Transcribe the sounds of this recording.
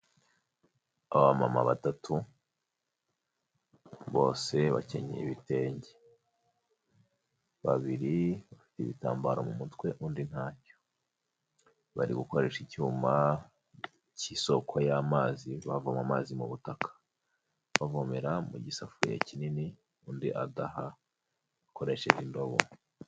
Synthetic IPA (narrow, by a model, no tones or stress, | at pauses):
aβama̰ma̰βatatʰu | βo̞ːse̞βa̰ce̞̰ɲḛiβite̞ːɲɟe | βa̰βiɾiβafi̥teβḭta̰ːmbaɾo̞mumutwe̞ʔuːndin̥haːco̥ | βa̰ɾiɡuko̞ɾe̞ʃicuːma | ciso̞kʰojamaːziβavomamaːzimuβutakʰḁ | βavomeɾamuɟisafuja̰cinini | uːndiʔadaha | βako̞ɾe̞ʃe̞ʔindo̞βo̰